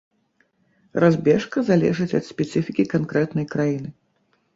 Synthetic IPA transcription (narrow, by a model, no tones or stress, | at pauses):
razbʲɛʂkɐzalʲɛ̰ʐɨt͡sʲɐ̰t̪sʲpʲɛt̪sɨfʲikʲikankɾɛt̪nɐjkɾajinɨ